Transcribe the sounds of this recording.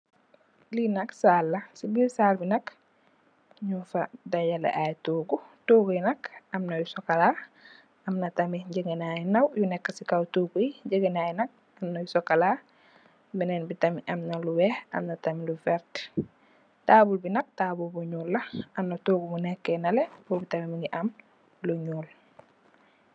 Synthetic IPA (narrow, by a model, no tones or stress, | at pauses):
linɐksalːɐsibisaːlbinɐk | ɲufadajala̰ʔajtoɡutoːɡujnɐkɐmnɐjusɔkala | ɐmnɐtɐmiɟəɡenajinɐwjunɛkːasikawtukujɟəɡenaːjinɐk̚ | ɐmnajusɔkːala | binɛnbitamiʔɐmnaluwɛːhɐ̰mnɐtamilufɛɾt | taːbulbinɐk̚taːbulbuɲuːlːɐʔɐmnɐtoːɡumunɛkːɛnɐlebobitamiminiʔam | luɲuːl